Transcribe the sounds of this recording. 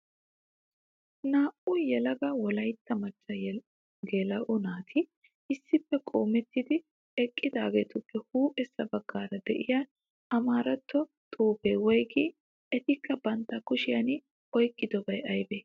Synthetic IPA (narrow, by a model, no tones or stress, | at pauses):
naːʔʊjɛlɐɡɐwɔlɐjt̪ːɐmɐt͡ʃʼːɐj | ɡelɐʔʊnaːt̪ʰɪ | ɪsːɪpːɛkʼo̞ːmɛt̪ːɪd̪ɪ | ɛkʼːɪd̪aːɡeːt̪ʊpːɛhuːpʼɛsːɐbɐɡːaːɾɐd̪ɛʔɪja | ɐmaːɾɐt̪ːɔt̪ʼuːpeːwɔjɡɪ | ɛt̪ɪkːɐbɐnt̪ːɐkʊʃɪjɐnɪ | ɔjkʼːɪd̪ɔbɐjɐjbeː